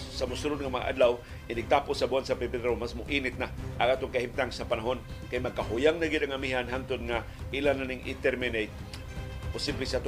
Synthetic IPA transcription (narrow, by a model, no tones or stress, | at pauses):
samʊsuɾʊd̪ŋamaŋa̰ʔa̰d̪law | ʔɪnɪɡ̚t̪aːposabuansapeped̪ɾomasmʊʔinɪt̪̚naʔaŋʔaːt̪oŋkahimt̪aŋsapanaɦonkajmaɡ̚kaɦʊjaŋnaɡɪd̪aŋamiɦanɦaŋt̪ʊd̪ŋa | ʔilananɪŋʔɪ̰t̪ɛɾmɪnejt̪̚ | pʊsiblɪsaʔat̪ʊ